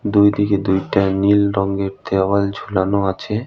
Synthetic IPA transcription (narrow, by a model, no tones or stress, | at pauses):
d̪ujd̪iked̪ujʈanilɾɔŋɡeɾt̪ewald͡ʑʱulanoat͡ɕʰe